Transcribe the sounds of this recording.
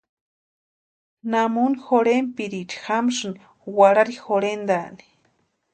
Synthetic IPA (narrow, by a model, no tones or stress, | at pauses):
namunixoɾempiɾit͡ʃi̥xamʂɨni | waɾaɾixoɾend̪ani̥